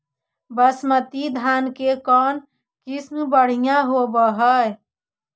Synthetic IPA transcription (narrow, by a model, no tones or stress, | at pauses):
bəsmət̪id̪ʱankekɔn | kisnubəɽ̤ijãɦobəɦəj